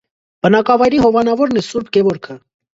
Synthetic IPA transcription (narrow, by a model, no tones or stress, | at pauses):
b̥ənɑkɑvɑjɾiɦɔvɑnɑvɔɾnɛsuɾbɡɛvɔɾkʰə